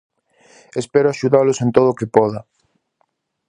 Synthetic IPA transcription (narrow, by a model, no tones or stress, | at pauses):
espɛɾoaʃuðalʊsent̪oðoːkepɔðɐ